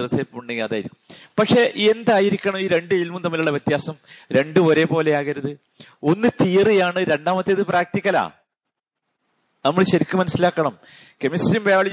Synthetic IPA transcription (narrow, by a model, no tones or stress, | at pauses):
rɐseːpːmuɳɖeŋɡɐðaːjiɾikːummpɐkʂe̞ʔiend̪aːjiɾikʲːɐɳɐmiːɾe̞ɳɖɨilmumnɐmːiluɭːɐʋjet̪jaːsɐmɾe̞ɳɖɨo̞ɾe̞po̞ːle̞jaːɣɐɾɐðɨ | o̞nːɨt̪iːrijaːɳɨɾe̞ɳɖaːmɐt̪ːeɐðɨpraːk̚t̪ikʲːɐla̰ː | nɐmːɐɭɕɐɾikʲːumɐnɐsːilaːkːɐɳɐm | kemisʈimbejʋɐɭi